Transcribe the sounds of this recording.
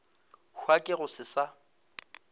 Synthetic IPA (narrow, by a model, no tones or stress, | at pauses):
hwakʼɪɣʊsɪsa